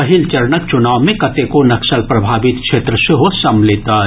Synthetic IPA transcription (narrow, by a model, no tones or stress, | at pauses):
ɐɦilt͡ʃɐɾnək̚t͡ʃʊnaːwmẽkɐt̪ekonɐkʃəlpɾɐbʱaːʋɪt̪kʃʰeːt̪ɾəseɦosɐmleːt̪aː